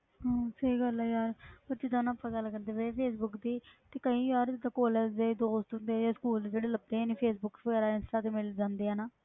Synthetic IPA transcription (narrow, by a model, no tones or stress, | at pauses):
ɦãːsəiːɡəlɛːjaːɾpəɾd͡ʒɪd̪ãːnãːpːaɡalkəɾnd̪eːbeepʰeːsbʊkd̪iːt̪eːkəĩːiaːɾd̪aːkoːləːd͡ʒd̪eːd̪oːst̪und̪eːɛːd͡ʒaːskuːld̪d͡ʒeːɽeːləb̚d̪eːɛːneːpʰeːsbʊkːʋəɡɛːɾaːɪnsʈaːt̪eːmɪld͡ʒãːnd̪eːaːnaː